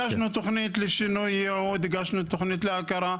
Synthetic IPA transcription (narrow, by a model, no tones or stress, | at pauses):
æʃnut̪ʊxnit̪ləʃənujʕud̪ɡæʃnut̪ʊxnit̪əlʕakɑɾˤɑ